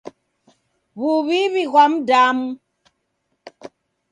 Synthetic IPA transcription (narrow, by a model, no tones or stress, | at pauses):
βuβiβiɣwamdam